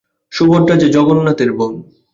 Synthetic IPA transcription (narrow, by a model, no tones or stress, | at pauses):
ʃuboɾʈad͡ʑed͡ʑɔɡonːat̪eɾbom